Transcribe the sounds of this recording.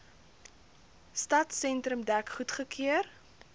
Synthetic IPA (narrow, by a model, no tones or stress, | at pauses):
stɐtsɛntɾəmdækχutχəkʰiər